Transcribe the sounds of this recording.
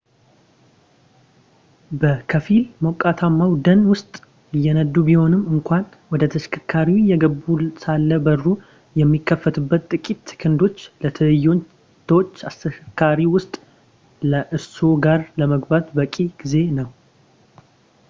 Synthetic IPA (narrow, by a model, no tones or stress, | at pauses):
bəkʰəfilməwkʼːat̪ʰamːawd̪ənwʊst̪ʼ | ɪjːɛnəd̪ːubiho̞nɨmːɨŋkʷan | wɔd̪ət̪ʰəʃkʰɨkʰːaɾiwjɛɡəbusalːəbərːu | jɛmːikʰːəfət̪ɨbːət̪t̪ʼɨkʼit̪ːʰɨ̥kʰɨnd̪o̞t͡ʃːlət̪ʰɨlɨjːo̞ | t̪ʰot͡ʃːast̪əkʰːaɾiwʊst̪ʼ | ləʔɨso̞ɡaɾləməɡbat̪bəkʼiɡ̥ize̞nəw